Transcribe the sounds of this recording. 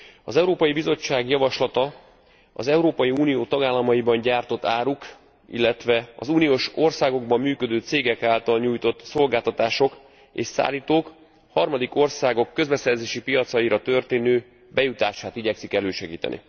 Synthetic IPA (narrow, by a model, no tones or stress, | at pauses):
ɒzɛuɾoːpɒjibizo̞t͡ʃːaːɡjɒvɒʃlɒt̪ɒ | ɒ̰zɛuɾoːpɒjiuːnijoːt̪ɒɡaːlːɒmɒibɒɲɟaːrt̪o̞t̪ːaːɾuk | ḭlːɛt̪ʋɛɒ̰zuːnijoːʃo̞rsaːɡo̞ɡ̚bɒmːyːkø̞d̪øːt̪seːɡɛkaːlt̪ɒlɲuːjt̪o̞t̪ːso̞lɡaːlt̪ɒt̪aːʃo̞k | ḛːʃsa̰ːlːiːt̪oːk | hɒrmɒd̪iko̞rsaːɡo̞kːø̞zbɛsɛrzeːʃipijɒt̪sɒjiɾɒt̪ø̞rt̪eːnøː | bɛjut̪aːʃaːt̪iɟɛksikɛløːʃɛɡiːt̪ɛ̰nḭ